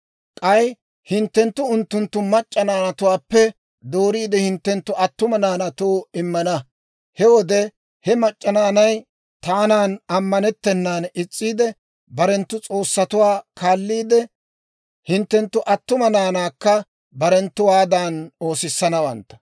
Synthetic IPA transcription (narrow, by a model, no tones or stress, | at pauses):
kʼɐj | hɪnt̪ːɛnt̪ːʊʊnt̪ːʊnt̪ːʊmɐt͡ʃʼːɐnaːnɐt̪ʊwaːpːɛ | d̪oːɾiːd̪ɛhɪnt̪ːɛnt̪ːʊʔɐt̪ːʊmɐnaːnɐt̪oːɪmːɐnɐ | hɛwɔd̪ɛ | hɛmɐt͡ʃʼːɐnaːnɐj | t̪aːnaːnɐmːɐnɛt̪ːɛnːaːnɪt͡sʼːiːd̪ɛ | bɐɾɛnt̪ːʊt͡sʼo̞ːsːɐt̪ʊwaːkʰaːlːiːd̪ɛ | hɪnt̪ːɛnt̪ːʊʔɐt̪ːʊmɐnaːnaːkːɐ | bɐɾɛnt̪ːʊwaːd̪ano̞ːsɪsːɐnɐwɐ̰nt̪ːɐ̥